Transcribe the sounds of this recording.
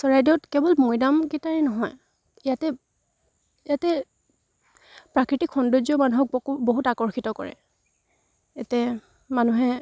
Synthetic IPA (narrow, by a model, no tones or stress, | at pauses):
sɔɹajdiɔtkɛbɔlmojdamkitaɹinɔɦɔj | ijatɛ | jatɛ | pɹakɹitikxɔndozɔmanuɦɔk̚boɦutakɔɹxitɔkɔ̰ɹɛ̰ | etɛ | manuɦɛ